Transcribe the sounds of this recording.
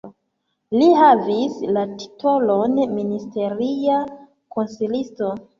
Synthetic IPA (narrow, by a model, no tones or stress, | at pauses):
lihavislati̥tʰo̞lonministe̞ɾia | ko̞nsilisto̞